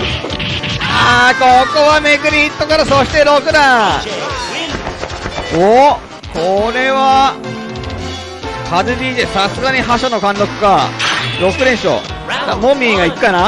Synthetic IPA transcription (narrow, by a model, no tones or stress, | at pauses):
akokoβameɡɯ̟ɾʲit̪ːo̞kaɾasoɕi̥t̪eɾokɯ̟ɾã | o | koɾe̞βa | kazɨbʲiːd̪esasɨɡaɲ̟iɦaɕanokãnd̪okɯ̟̥kaɾo̞kɯ̟ɾẽ̞ɰ̃ɕo̰ | t̪amomʲiːɡaikɯ̟̥kːana